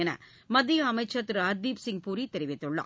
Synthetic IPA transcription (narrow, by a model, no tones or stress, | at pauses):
ɛnɐ̰ | mɐd̪ːiɐmɐɪt͡ʃːɐt̪ːɾɯɐɾd̪iːpsɪŋɡpuːɾit̪ɛɾɪʋɪt̪ːɯɭːã̰ː